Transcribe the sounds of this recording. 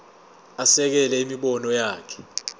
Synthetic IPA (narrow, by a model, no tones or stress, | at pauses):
asɛk̬ɛlɛimiɓɔnɔjaːkʰɛ̥